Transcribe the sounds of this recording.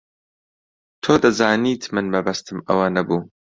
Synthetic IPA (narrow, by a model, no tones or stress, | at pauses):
t̪ʰoːd̪ɐzaːniːt̪ʰmɨnmɐbɐst̪ʰɨmɐ̰wɐnɐbuː